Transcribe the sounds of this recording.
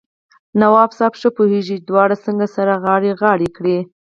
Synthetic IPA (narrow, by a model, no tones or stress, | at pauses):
nawɑbsɑbʃəpoheʒid̪wɑɽasəŋɡasaɾaɣɑɽiɣɑɽekɽi